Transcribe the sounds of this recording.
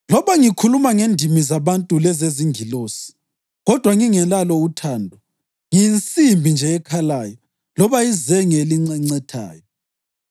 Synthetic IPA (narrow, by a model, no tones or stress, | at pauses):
lɔβaŋikʰulumaŋendʱimizaβantʼulɛzeziŋɡʱiloːsi̥ | ɣɔd̥ʱwaŋiŋɛlalɔutʰaːndʱwɔ | ŋint͡sʼimbʱind͡ʒʱɛɛkʰalajɔ | lɔβaizɛŋɛliŋ͡ǀɛŋ͡ǀɛtʰa̰ːjɔ